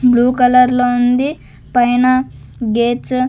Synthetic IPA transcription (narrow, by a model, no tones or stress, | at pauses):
bluːkɐlɐɾlound̪i | pɐjnɐɡeːt͡s